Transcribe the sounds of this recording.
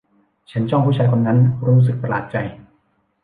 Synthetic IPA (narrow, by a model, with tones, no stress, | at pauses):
t͡ɕʰa˦˥nt͡ɕɔ˥˩ŋhʰuː˥˩t͡ɕa˧jkʰo˧nːa˦˥nɾuː˦˥ɾu˥s̬ɯ˨k̚pɾa˧la̰ː˨˩t̪̚t͡ɕa˧j